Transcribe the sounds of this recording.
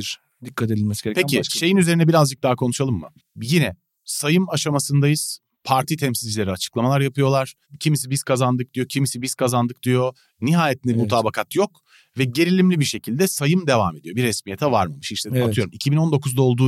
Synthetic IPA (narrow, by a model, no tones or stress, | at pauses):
ɾ | d̪ikʰːat̪ed̪ilʲmɛsi̥eɾpʰecʰiʃʃe̞jinyze̞ɾinɛbiɾazd͡ʒɯk̚d̪aːkʰonuʃalˠɯmːɯ̰ | jinɛ | sajɯmaʃamasɯnd̪ajɯz̥ | pʰaɾt̪ʰit̪ʰɛmsilʲd͡ʒilʲe̞ɾiat͡ʃʰɯ̥klˠamalˠaɾjapʰɯjo̞lˠaɾ̥ | cʰimis̬ibiz̥kʰazand̪ɯk̚d̪ijo̞cʰimisibiz̥kʰazand̪ɯk̚d̪̥ijo̞ | niɦaːjet̪nʲɛmut̪ʰaːbakʰat̪jo̞k | vɛɟe̞ɾilʲimlʲibiɾʃe̞cʰilʲd̪ɛsajɯmd̪e̞va̰me̞d̪ijo̞biɾɛsmijet̪ʰɛvaɾmamɯʃiʃlʲed̪iat̪ʰɯjo̞ɾumicʰibino̞nd̪o̞kʰuzd̪ao̞lˠd̪uː